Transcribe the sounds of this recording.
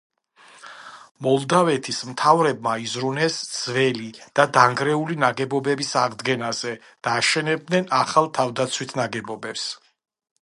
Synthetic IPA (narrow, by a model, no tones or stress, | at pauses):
mɔlˠd̪avɛt̪ʰismt̪ʰavɾɛb̚maizɾunɛsd̪z̥vɛlid̪̥ad̪aŋɡɾɛulinaɡɛbɔbɛbisaʁd̪ɡɛnazɛ | d̪̥aːʃɛnɛb̚d̪nɛnaχalˠt̪ʰavd̪at̪sʰwit̪ʰnaɡɛbɔbɛps